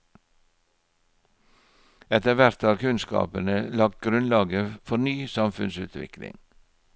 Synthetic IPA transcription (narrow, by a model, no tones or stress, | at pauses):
ɛt̪əʋæɾt̪ʰɑːkʰʉnskɑ̰ːpənəlɑːk̚ɡɾʉnlɑːɡəfɔɾnyːsɑmfʉnsʉ̰ːt̪ʰʋɪ̰klɪ̰ŋ